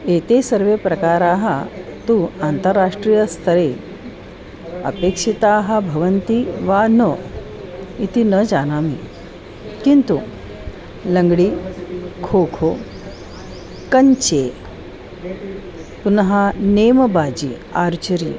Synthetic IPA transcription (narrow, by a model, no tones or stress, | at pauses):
et̪esəɾʋepɾɐkaːɾaːɦat̪uːant̪əɾːaʂʈɾijəst̪ʰəɾe | ə̰pekʂit̪aːɦəbʱɐʋənt̪iʋanə | it̪ʰinəd͡ʑanaːmi | kint̪u | ləŋɡɽiːkʰokʰo | kəɲt͡ɕe | punɦaneməbad͡ʑḭaɾt͡ɕəɾiː